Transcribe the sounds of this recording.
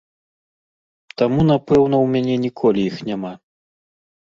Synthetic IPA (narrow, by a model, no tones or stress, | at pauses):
t̪amunapɛwnɐwmʲanʲɛnʲikʰɔlʲijixnʲama